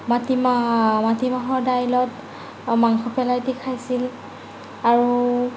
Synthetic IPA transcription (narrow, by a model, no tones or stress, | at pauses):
matimamatimaɦɔɹdajlɔt | maŋxɔpɛlajtikʰajsil | aɹu